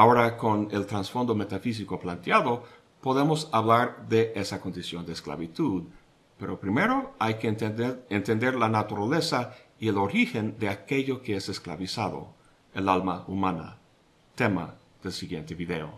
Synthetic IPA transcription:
ao̞ɾako̞ne̞lt̪ɾansfo̞nd̪o̞me̞t̪afis̬iko̞plant̪jaðo | po̞ðe̞mo̞saβlaɾðe̞ʔesako̞nd̪isjo̞nd̪eːskla̰βit̪uð | pe̞ɾo̞pɾime̞ɾo̞ajkeent̪e̞nd̪e̞ɾlanat̪uɾale̞saielo̞ɾixe̞nd̪e̞ake̞ʎo̞keeseskla̰βisaðo̰ | elalmaumana̰ | t̪e̞ma̰ | ðe̞lsiɣje̞nt̪e̞βiðe̞o̰

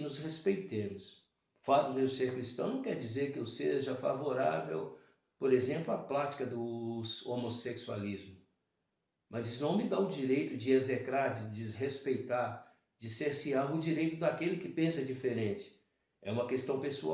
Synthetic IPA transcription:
nʊzhespejt̪ẽmʊs | fazʊd̪eʊseɾkɾist̪ɐ̃w̃ñkɛɾd͡ʒizeɾkɪuseʒɐfa̰voɾa̰vḛw | poɾezẽmplʊaplat͡ʃi̥kɐd̪ʊsomoseksua̰lizmʊ | mɐzisʊnɐ̃w̃mɪd̪aʊd͡ʒiɾejt̪ʊd͡ʒɪezekɾaɾd͡ʒɪd͡ʒɪzɦespejt̪aɾ | d͡ʒɪseɾsiaɾʊd͡ʒiɾejt̪ʊd̪akelɪkɪpẽsɐd͡ʒifeɾẽt͡ʃɪ̥ | ɛ̰ũmɐkest̪ɐ̃w̃pesua̰

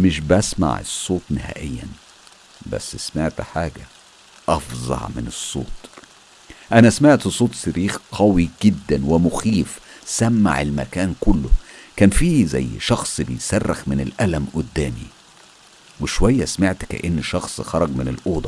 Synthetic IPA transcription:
mɪʃbæsma̰ʕḛsˤːoːt̪ˤnɪhæ̰ːʔejːæ̰n | bæ̰sːsmaʕt̪ħaːɡæ | ʔɑfzˤɑ̰ʕmɪnesˤːo̰ːt̪ˤ | ʔænæsmaʕt̪sˤoːt̪ˤsæɾiːxqʰɑwiɡ̥ɪd̪ːænwɪmʊxiːfsæmːa̰ʕelmæ̰kæːnkʊlːʊkæːnfiːzæ̰jːʃɑxsˤbejsærːɪxmɪnɪlʔælæmʔʊd̪ːæːmḭ | weʃowæjːæsmaʕt̪kæ̰ʔenːʃɑxsˤxɑɾˤɑɡmɪnɪlʔoːd̪ˤɑ

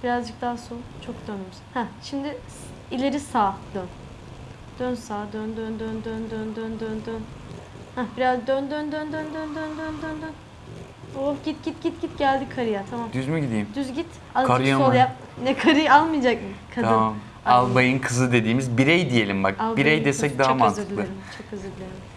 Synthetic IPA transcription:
b̥iɾazd͡ʒɯk̚t̪aːso̞nt͡ʃʰo̞k̚d̪ønemshɛʃimd̪ɪ | ilʲeɾisaːd̪̥øn | d̪̥ønsaːd̪ønd̪ønd̪ønd̪ønd̪ønd̪ønd̪ønd̪øn | hæbiɾazd̪ønd̪ønd̪ønd̪ønd̪ønd̪ønd̪ønd̪ønd̪øn | oɟit̪̚ɟ̥it̪ɟ̥it̪̚ɡ̥ɟit̪ɟælʲd̪ikʰaɾɯjat̪ʰamamd̪yzmyɟid̪ijimd̪yzɟit̪ | alkaɾɯjaolˠajap | nɛkʰaɾɯjalˠmɯjd͡ʒak̚mɯkʰad̪aɯmam | alˠbajɯnkʰɯzɯd̪ed̪iːmizbiɾɛjd̪ije̞lʲimba̰k̚alˠbiɾɛjd̪esɛc̚d̪aɦamant̪ɯek̪ilˠɯeɾimt͡ʃʰokʰːɯzɯed̪ilʲeɾim

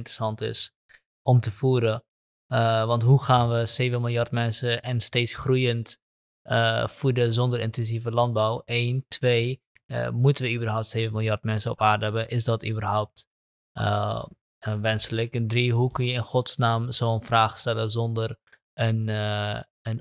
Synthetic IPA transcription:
ntrəsɑntɪ̰s | ɔmtəfuəɾə | ʋɑntɦuχaːnʋəseːvənmɪlˠjɑrtmɛnsəʔɛnsteːtsχrujənt | fudəzɔndəɾɪntɛnsivəlɑn̚bawʔeːntʰʋeː | mutənʋəybərɦɔwp̚tseːvənmɪlˠjɑrtmɛnsəɔpaːrdəɦɛbəʔɪsdɔtybərɦɔwp̚t | ʋɛnsələkdriɦukənjəɪnχɔtsnaːmzoːənfraːχstɛləzɔndər | ən | ən

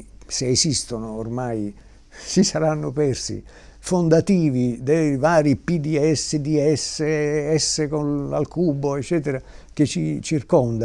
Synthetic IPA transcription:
seːsist̪onʊːrmaj | sisaɾanːʊpɛrsḭ | fond̪at̪iːvid̪ejvaːɾipid̪iɛsːed̪iɛseɛsːekona̰lkuːboɛt͡ʃːɛːt̪eɾak̟et͡ʃːit͡ʃirkɔnd̪a

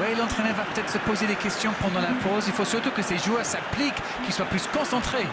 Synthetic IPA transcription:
wɛlɑ̃t̪χɛnœʁvapət̪ɛt̪χəsəpozed̪ekʲɛst̪jɔ̃pɑ̃d̪ɑ̃lapʰozilfosyʁt̪ukəseʒuœʁsaplik | kʲːiswaplyskɔ̃sɑ̃t̪χe

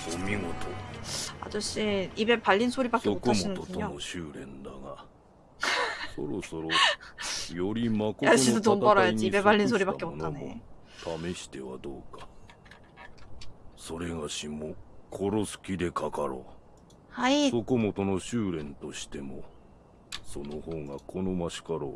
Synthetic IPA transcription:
somʲiŋo̞t̪ʰoa̰d͡ʑoɕiibe̞paʎːinsʰoɾibakeookaminɯoɯɲoonoɕɨːɾẽ̞̰nd̪aɡa | so̰ɾoso̞ɾo | jo̞ɾʲimakoaɕid̪ot̪ompaɾajaɲd͡ʑiibepaʎʲːins̬ʰoɾibakeboonane | t̪ʰame̞ɕi̥t̪e̞βa̰d̪oːka | so̞ɾe̞ɡaɕimokʰo̞ɾo̞sɨ̥kʲid̪e̞kʰakaɾo̰ː | haisokomo̞t̪o̞no̞ɕɨːɾẽ̞nt̪o̞ɕi̥t̪e̞mo | so̞nohoːɡakʰo̞no̞maɕi̥kaɾo̞̰ː

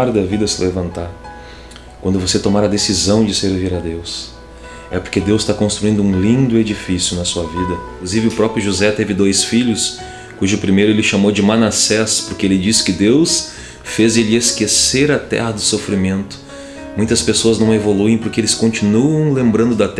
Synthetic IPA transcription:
ɾd̪ɐvid̪ɐsɪlevɐ̃nt̪aɾ | kwɐ̃nd̪ʊvoset̪omaɾɐd̪esizɐ̃w̃d͡ʒɪseɾviɾɐd̪ews | ɛpoɾked̪ewst̪akõst̪ɾuĩnd̪ʊũlĩnd̪ʊed͡ʒifisjʊnɐsuɐvid̪ɐĩkluzivɪʊpɾɔpɾjʊʒuzɛt̪evɪd̪ojsfiʎʊs | kuʒʊpɾimejɾʊelɪʃamowd͡ʒɪmanasɛspoɾkeelɪd͡ʒisɪ̥kɪd̪ews | fezelɪeskeseɾɐt̪ɛ̰hɐd̪ʊsofɾimẽnt̪ʊ̥ | mũj̃t̪ɐspesoɐznɐ̃w̃evoluẽj̃poɾkeelɪskõnt͡ʃinuɐ̃w̃lẽmbɾɐ̃nd̪ʊd̪ɐt̪

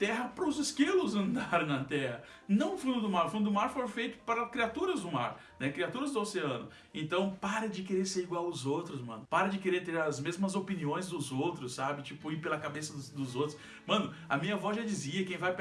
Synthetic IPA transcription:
t̪ɛɦɐpɾɐʊzɪskilʊzɐ̃nd̪aɾ̃nɐt̪ɛhɐ | nɐ̃w̃ʊfũd̪ʊd̪ʊmaɾʊfũd̪ʊd̪ʊmaɾfoɾfejt̪ʊ̥paɾɐkɾiat̪uɾɐzd̪ʊmaɾ | nɛkɾiat̪uɾɐzd̪ʊoseɐ̃nʊ̰ | ẽnt̪ɐ̃w̃paɾɐd͡ʒɪkeɾeɾseɾiɡwawʊzowt̪ɾʊsmɐ̰̃nʊpaɾɐd͡ʒɪkeɾeɾt̪eɾɐzmezmɐzopiniõj̃zd̪ʊzowt̪ɾʊssabɪt͡ʃipʊipelɐkabesɐd̪ʊzowt̪ɾʊ̥s | mɐ̃nʊɐmĩɲɐvɔzʒad͡ʒiziɐkẽj̃vajp

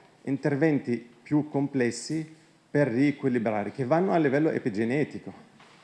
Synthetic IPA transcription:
int̪ervɛnt̪ipjukːomplɛsːi | perːiːkwilːibɾaːɾik̟evːanːoalːivɛlːoʔḛpid͡ʒenɛːt̪iko

